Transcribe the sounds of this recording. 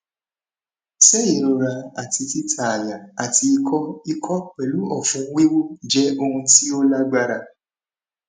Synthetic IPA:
sɛ˦ji˨ɾo˧ɾa˧a˨ti˧ti˦tʰa˨a˨ja˨a˨ti˧i˧kʰɔ˦i˧kʰɔ˦k͡pɛ˨lu˨˦ɔ˨fũ˧˦wi˦wo˦d͡ʒɛ˨˦o˧hũ˧ti˦o˦la˦ɡ͡ba˧ɾa˧

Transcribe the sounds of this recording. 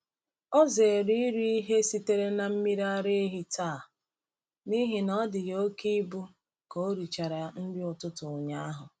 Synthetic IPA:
ɔ˦ze˨ɾi˦i˦ɾi˦i˦ɦe˦si˦te˦ɾe˦na˨m̩˦mi˦ɾi˦a˦ɾe˦e˦ɦi˦taː˦˨ | ni˦ɦi˨nɔ˦dɪ˨jo˦ki˦bu˦ | ko˨˦ɾi˨t͡ʃa˨ɾa˨n̩˦dɪ˦ʊ˨tʊ˦tʊ˨ɲa˦a˦ɦʊ˨

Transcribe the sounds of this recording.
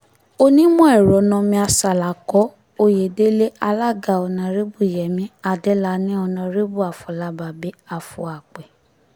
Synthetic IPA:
o˦nĩ˦mɔ̃˦ɛ˦˨ɾɔ˨˦nã˧mĩ˧˦a˧sa˨la˨kɔ˨˦ | o˧je˨de˦le˦a˧la˦˨ɡa˨ɔ˧nã˧ɾe˦bu˦˨jɛ˨mĩ˨˦a˧dɛ˦la˧˦nĩ˦ɔ˧nã˧ɾe˦bu˦˨a˨fɔ˨la˧˦ba˨be˨˦a˨fṵ˨˦a˨k͡pɛ˨

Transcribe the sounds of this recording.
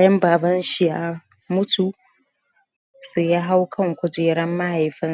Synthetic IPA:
jɐ˦mbaː˨bɐ˦nʃɪ˦ja˦ | mʊ˦tʰu˨ | se˨ja˦ɦa˦wkʰɐ˦ŋkʷʊ˦d͡ʒeː˨ɾɐ˦mːa˦ha˨jɸɪ˦n˦

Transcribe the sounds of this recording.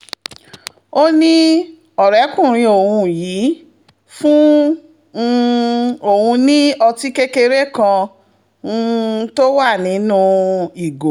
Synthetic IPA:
o˦nĩ˦ | ɔ˨ɾɛ˨˦kũ˦˨ɾ̃ĩ˧o˨hũ˧ji˨˦ | fũ˦˧ | o˨hũ˧nĩ˦ɔ˧ti˦ke˦ke˧ɾe˦kã˧˦˧ | to˦wa˦˨nĩ˨˦nũ˦i˨ɡo˨

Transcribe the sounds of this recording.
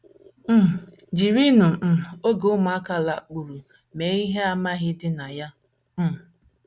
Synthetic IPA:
m̩˦˨ | d͡ʒi˨ɾi˦nʊ˨ʔ̩˨o˦ɡo˦ʊ˦ma˨a˦ka˦la˨k͡pu˨ɾu˨ | me˨˦i˦ɦe˦a˦ma˦ɣɪ˦dɪ˦na˨ja˦˨

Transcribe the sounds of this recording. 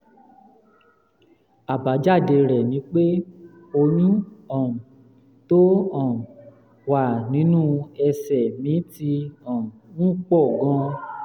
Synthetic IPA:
a˨ba˨˦d͡ʒa˦˨de˧ɾɛ˨nĩ˨˦k͡pe˦ | o˧nũ˦ɔ̃˨ | to˦ɔ̃˦˨ | wa˨nĩ˨˦nũ˦ɛ˧sɛ˨mĩ˨˦ti˧ɔ̃˨ũ˦k͡pɔ˦˨ɡã˧˦

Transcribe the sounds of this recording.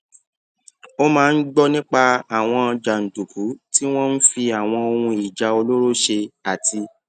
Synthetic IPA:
o˦mãː˨˦˧n̩˦ɡ͡bɔ˦nĩ˦k͡pa˧a˨w̃ɔ̃˧d͡ʒa˨n̩˨tu˨ku˨˦ti˦w̃ɔ̃˦n̩˦fi˧a˨w̃ɔ̃˧o˧wũ˧i˨d͡ʒa˨o˧lo˦ɾo˦ʃe˧a˨tʰi˧

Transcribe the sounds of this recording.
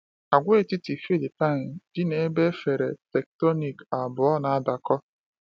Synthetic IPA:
a˨ɡʷe˦e˦˨ti˦ti˨fi˦li˨pa˦˨nd̥ɪ˦ne˨˦be˦fe˨ɾe˨tɛ˨k̚tɔ˦ni˨ka˨bʊ˨ɔ˦na˨a˦da˨kɔ˦

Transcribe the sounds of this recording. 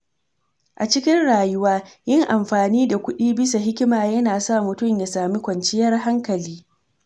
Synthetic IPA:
ʔa˨t͡ʃɪ˦kʲɪ˦nɽaː˨jʊ˦waː˦jɪ˦ŋʔa˨mɸaː˨niː˦da˨kʷʊ˦ɗiː˦bɪ˦sa˨ɦɪ˦kʲɪ˦maː˨jɐ˦naː˨sa˦˨mʊ˨tʊ˦mja˨saː˨mi˦kʷɐ˨nt͡ʃɪ˦jɐ˦rɦa˦ŋkɐ˨liː˦

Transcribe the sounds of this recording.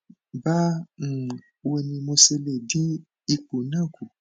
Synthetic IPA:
ba˦˨ | wo˧nĩ˧mo˧se˧le˨di˦ | i˧k͡po˨nã˦˨ku˨

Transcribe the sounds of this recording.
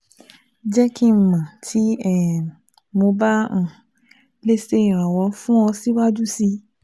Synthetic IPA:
d͡ʒɛ˦kĩ˦m̩˨mã˨tʰi˨˦ɛ˦˨ | mo˧bã˦˨ | le˦se˦ĩ˨ɾ̃ã˨wɔ˧˦fũ˦ɔ̃˧si˦wa˦d͡ʒu˦si˧

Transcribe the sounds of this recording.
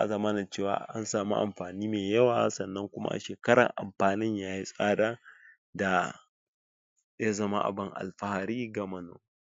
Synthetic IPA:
ʔa̰˨zɐ˦mɐ˦na˨t͡ʃeː˦˨wa̰ː˨ʔa˦nsaː˨mu˦ʔa̰˨mɸaː˨niː˦meː˨jɐ˦waː˨sɐ˨nːɐ˦ŋkʷʊ˦ma̰˦ʔa̰˨ʃeː˨kɐ˦ɽɐ̰˨ŋʔa̰˨mɸaː˨nɪ˦ɲjaː˦ji˦sʼaː˦daː˦ | da˨ | ja˦zɐ˦ma̰˦ʔa̰˨bɪ˦ŋʔa̰˨lɸa˦ha˨ɾiː˦ɡa˨mɐ˨no̰˨

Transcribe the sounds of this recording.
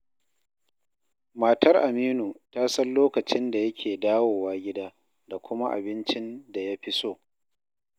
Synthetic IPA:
maː˨tʰɐ˦rʔa˨miː˦nu˨taː˦sɐ˦nloː˦kɐ˨t͡ʃɪ˦nda˨jɐ˦kʲʰeː˨daː˦woː˨waː˦ɡʲɪ˦daː˦ | da˨kʷʊ˦ma˦ʔa̰˨bɪ˦nt͡ʃɪ˦nda˨ja˦ɸɪ˦soː˦˨

